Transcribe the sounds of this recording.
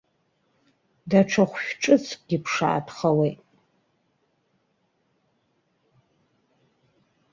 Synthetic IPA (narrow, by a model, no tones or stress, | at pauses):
daʈ͡ʂʰaχʷʃᶣʈ͡ʂʼɨt͡sʰkʼɡ̥ʲipʰʂa̰ːtʰχawejtʼ